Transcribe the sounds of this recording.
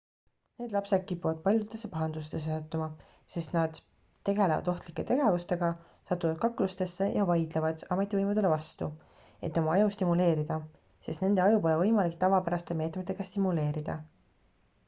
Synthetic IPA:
ne̞ːd̪lɑpse̞d̪̥̚kipːuvɑd̪̥̚pɑlʲjut̪ːˑe̞sːepɑɦɑnd̪̥ust̪e̞s̬esɑt̪ːˑumɑ | se̞st̪nɑd̪̥ | t̪ːe̞ɡe̞levɑ̰d̪̥o̞ht̪likːˑe̞t̪e̞ɡe̞vust̪e̞ɡ̥ɑ | sɑt̪ːˑuvɑd̪̥̚kɑkːlust̪e̞sːe̞jɑvɑjd̪̥levɑd̪̥ɑme̞t̪ːˑivɤjmud̪e̞le̞vɑst̪u | e̞t̪ːˑo̞mɑɑjust̪imule̞ːɾid̪̥ɑ | se̞st̪ne̞nd̪eɑjupo̞levɤ̞jmɑlikt̪ɑvɑpæɾɑst̪e̞meːt̪met̪ːe̞ɡ̥ɑst̪imule̞ːɾid̪̥ɑ

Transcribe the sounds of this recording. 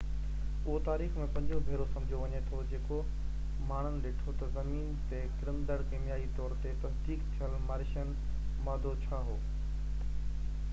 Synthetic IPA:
ʊɦot̪aːɾiːxmẽpɐ̃ɲd͡ʑobʱeːɾosɐ̃md͡ʑʱjoʋɐɲet̪ʰod͡ʑeːko | maːɳ̤̃ənɪ̆ɗeːʈʰot̪ɐzɐmiːnt̪ekɪɾəmd̪əɽkɪmɪjaːit̪ɔːɾt̪et̪ɐsd̪iːkt̪ʰijəlmaːɾɪʃənɪ̆ | maːd̪ʱot͡ɕʰaːɦoː

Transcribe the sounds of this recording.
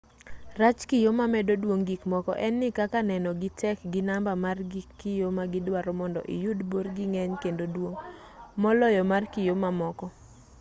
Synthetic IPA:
rat͡ʃkɪjomamɛdodwoŋɡikmɔkɔ̰ʔɛnːɪkakanɛnɔɡɪtɛkɡɪnambamarɡikːɪjomaɡɪdwaɾɔmɔndɔ̰ʔɪ̰judborɡɪŋɛɲkendodwoŋ | mɔlɔjɔmarkɪjomamɔkɔ

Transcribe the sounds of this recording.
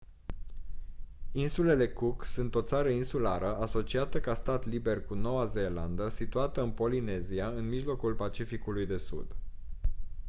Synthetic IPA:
insule̞le̞kuksunt̪o̞t̪saɾəinsulaɾəaso̞t͡ʃiat̪əkast̪at̪libe̞rkuno̞waze̞land̪əsit̪uat̪əɨnpo̞line̞ziaɨnmiʒlo̞kulpat͡ʃifikulujd̪e̞sṵd̪

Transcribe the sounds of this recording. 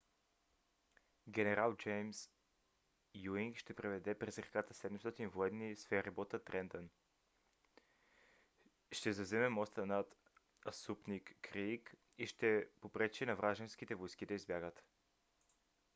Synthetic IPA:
ɡʲɛnɛɾalˠd͡ʒɛjms | juiŋkʃt̪ɛpɾɛvɛd̪ɛpɾɛzɾɛkat̪əsɛd̪ɛmst̪ɔt̪invoɛd̪nisfɛɾibɔt̪ət̪ɾɛnd̪ən | ʃt̪ɛzɐzɛmɛmɔst̪ənat̪ | ɐsupnikːɾik | iʃt̪ɛpopɾɛt͡ʃɛnɐvɾaʒɛnsk̟it̪ɛvojsk̟id̪ɐizbʲjaɡət̪

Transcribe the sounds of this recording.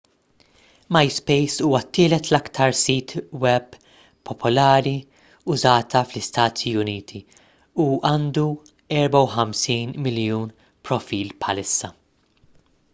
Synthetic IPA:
mɐjspɛjsuːwɐt̪ːɪːlɛt̪lɐkt̪ʰɐɾsiːt̪wɛb | pʰːɔpʰɔlɐːɾi | ʊzɐːt̪ʰɐflɪst̪ɐːt̪ʰiʊniːt̪ʰi | uʔɐːnd̪u | ɛɾbɐwħɐmsiːnmɪljuːn | pɾɔfiːlpħɐlɪsːɐ

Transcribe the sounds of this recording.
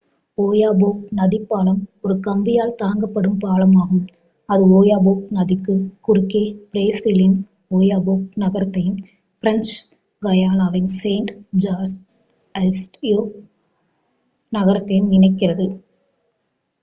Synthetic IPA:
oːjaːboːnɐðɪpːaːlɐmɔɾɯkɐmbɪjaːlt̪aːŋɡɐpːɐɽɯmpaːlɐmaːɣɯm | ɐðɯoːjaːboːknɐðɪkːɯkʊɾʊkːeːpɪɾeːsɪlɪn | oːjaːboːnɐɣɐɾɐt̪ːɐjɯm | fɪɾɐnt͡ʃ | ɡɐjaːnaːʋɪnseɪɳʈd͡ʒaːɾs | ɐsʈjoː | nɐɣɐɾɐt̪ːɐjɯmnɪnɐɪkːɪrɐðɯ

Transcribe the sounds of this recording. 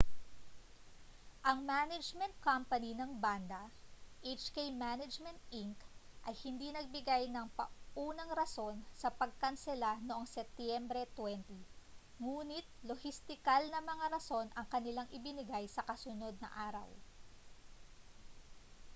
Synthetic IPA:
ʔɐŋmanɐd͡ʒmɛnt̪̚kampɐninɐŋband̪ɐʔejt͡ʃkejmanɐd͡ʒmɛnt̪̚ʔiŋkʔɐjhɪnd̪inɐɡ̚bɪɡajnɐŋpɐʔuːnɐŋɾɐso̞nsɐpɐɡ̚kɐnsɛlanoʔoŋsɛp̚t̪jɛmbɾɛt̪wɛnt̪i | ŋuːnɪt̪̚lohɪst̪ɪkalnɐmɐŋaɾɐso̞nʔɐŋkɐnɪlaŋʔɪbɪnɪɡajsɐkɐsʊno̞d̪̚nɐ̰ʔaːɾɐ̰w

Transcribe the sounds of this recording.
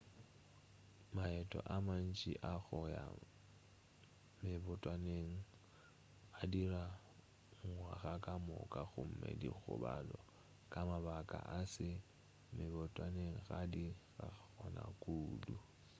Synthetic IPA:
maɛtʼɔʔaman̩t͡ʃʼiʔaɣʊja | mɪβʊtʼwaneŋ̩ | adira | ŋ̩waɣakʼamʊkʼaɣʊm̩mɛ̰diɣʊ̰balɔ | kʼamaβakʼaʔasɪ | mɪβʊtʼwaneŋ̩ɣadiɣaɣɔnakʼuːdu

